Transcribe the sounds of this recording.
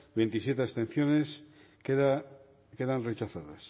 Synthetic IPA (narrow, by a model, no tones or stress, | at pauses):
bent̪isjet̪east̪ẽn̟θjones | eða | keðanret͡ʃaθaðas